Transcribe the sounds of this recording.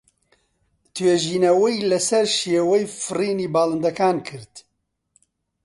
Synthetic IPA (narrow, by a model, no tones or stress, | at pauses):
t̪ʰweːʒiːnɐwejlɐsɐɾʃeːwɛjfɨriːniːbaːlɨnd̪ɐkaːnkʰɨɾt̪